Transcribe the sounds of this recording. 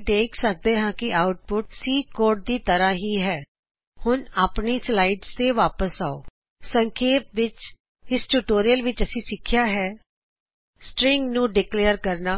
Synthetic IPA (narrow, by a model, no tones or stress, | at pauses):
d̪eːkʰsək̚d̪eːɦãːkɪʔaːʊʈ̚pʊʈsiːkoːɾʈ̚d̪iːt̪əɾãːɦiːɦɛː | hʊnaːpniːslaːiɖzt̪eːʋaːpəsaːo̰ː | səŋkʰeːp̚ʋɪt͡ʃ | ɪsʈuːʈoːɾijəlʋɪt͡ʃəsĩːsɪkʰːjaːɦɛː | sʈɾɪŋɡnũːɖɪkleːəɾkəɾnaː